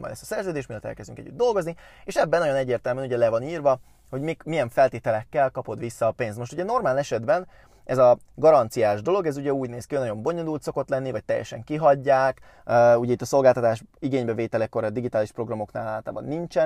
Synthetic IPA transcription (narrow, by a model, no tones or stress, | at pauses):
mɒ̰jd̪ɛ̰st̪ɒ̥sɛrzøːd̪eːʃt̪milɒt̪ɛ̰lkɛzd̪yŋkɛ̰ɟːyd̪d̪o̞lɡo̞znieːʃɛbːɛnojonɛɟːeːrt̪ɛlmyɛnuɟɛlɛvɒniːrvɒ | ho̞ɟmikmijɛɱfɛlt̪eːt̪ɛlɛkːɛlkɒpo̞d̪ʋisːɒːpeːnst̪mo̞ʃt̪uɟɛno̞rmaːlɛʃɛd̪bɛn | ɛzɒ | ɡɒɾɒnt̪sijaːʒd̪o̞lo̞ɡɛzuɟɛuːɟneːskinɒɟo̞mbo̞ɲolult̪so̞ko̞t̪lɛnːivɒc̚t̪ɛ̰jːɛ̰ʃɛ̰ŋkiɦɒɟːaːkː | uɟɛit̪ːɒso̞lɡaːlt̪ɒt̪aːʃiɡeːɲbɛveːt̪ɛlɛkːo̞ɾɒd̪iɡit̪aːliʃpro̞ɡrɒmo̞knaːlaːt̪a̰ːbɒ̰nːint͡ʃɛn